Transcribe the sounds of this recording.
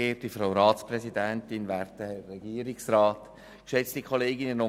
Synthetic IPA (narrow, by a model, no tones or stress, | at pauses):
eːd̥ifɾawɾɑːtsprɛsidæntɪnʋæːɾtəɛːɛɡiːəɾɪksrɑːt | kʃɛt͡stikʰoleːɡɪnəno